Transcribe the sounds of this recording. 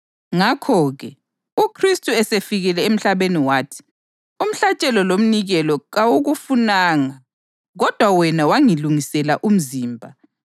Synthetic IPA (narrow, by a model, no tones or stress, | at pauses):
ŋakʰɔɣɛ | ukʰristʼuɛsefiɣɛlɛem̩ɬaβeniwaːtʰi̥ | um̩ɬat͡ʃʼɛlɔlom̩niɣɛlɔɣawuɣufunaŋa | ɣɔd̥ʱwawɛnawaŋiluŋisɛlaʔum̩ziːmbʱa